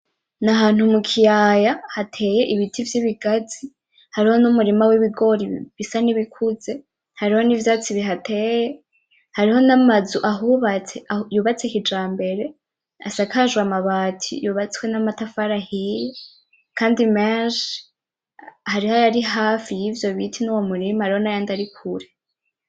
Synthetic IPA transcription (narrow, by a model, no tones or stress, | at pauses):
naɦaːn̥humukʰijajahatʰe̞je̞ʔiβitʰivjiβiɡaz̥i | haɾiho̞numuɾimawiβiɡo̞ɾiβisaniβikʰuze̞ | haɾiho̞nivjaːt͡siβiɦatʰe̞je | haɾiho̞namazuʔaɦuβat͡sejuːβat͡sekid͡ʒaːmbe̞ɾe̞ | a̰sakaʒuwamaβaːtʰḭjuβat͡swe̞namatafaɾahije | kaːndimeʃ | haɾihajaɾiɦaːfijiːvjo̞βitʰinuwomuɾimahaɾiho̞najaːndaɾikʰuɾe